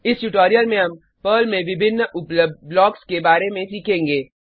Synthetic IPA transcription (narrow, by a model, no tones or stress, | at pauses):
ɪsʈuʈoːɾijəlmẽɦɐm | pəːlmẽʋɪbʱɪnːʊpləlɔːkskebaːɾemẽsiːkʰẽːŋɡeː